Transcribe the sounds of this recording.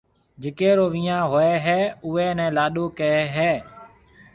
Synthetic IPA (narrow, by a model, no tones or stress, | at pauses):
d͡ʒɪkeːɾoːʋĩːãːɦoːeːɦɛːʊːeːnɛ̃ːlaːɗoːkəeːɦeː